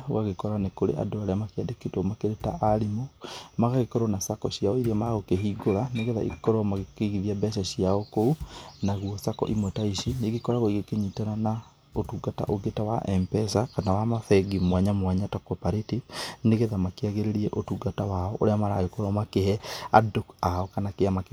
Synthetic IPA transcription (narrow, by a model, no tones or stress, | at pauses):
ɣaɣekɔɾanekoɾḛʔa̰doaɾeamakeadekitɔmakeɾetaʔaɾimomaɣaɣekɔɾɔnasakɔɕiaɔiɾɛmaaɣokeɦiːɡoɾaneɣeða̰ḭkɔɾɔmaɣekeɣiðiabɛʃaɕiaɔkounaɣwɔsakɔ̰ʔimwɛtaiʃineɡikɔɾaɣoiɣekeɲitaɾana | otuːɡata̰ʔoɡetawa̰ʔɛmpɛsakanawamafɛɡimwaɲamwaɲatɔkɔpaɾetineɣeðamakeaɣeɾeɾiɛʔotuɡatawaɔʔoɾeamaɾaɣekɔɾɔmakehɛa̰dokaɔkanakeamak